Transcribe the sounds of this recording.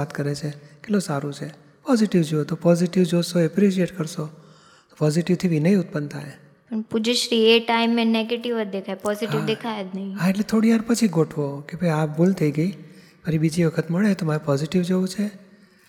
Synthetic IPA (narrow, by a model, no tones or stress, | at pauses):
at̪kəɾet͡ʃʰekelosaɾũt͡ʃʰe | pɔziʈiʋd͡ʒoot̪opɔziʈiʋd͡ʒosoɛpɾiʃieʈkəɾʃo | t̪o̥pɔziʈiʋt̪ʰiʋinəĩʊt̪̚pənt̪ʰa̰j | pəɳpud͡ʒəʃɾieʈaimːẽneɡeʈiʋət̪̚d̪ekʰajpɔziʈiʋd̪ekʰajd̪nəɦĩɦaeʈlet̪ʰoɽiʋaɾpət͡ʃʰiɡoʈʰʋokebʱəjapbult̪ʰəiɡəi | pəɾibid͡ʒiʋəkʰət̪məɭet̪omaɾepɔziʈiʋd͡ʒoũt͡ʃʰe